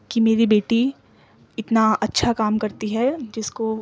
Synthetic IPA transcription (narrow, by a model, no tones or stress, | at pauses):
kimeːɾibeːʈi | ɪt̪naɐtːʃʰakaːmkɐɾt̪iɦɛd͡ʒɪsko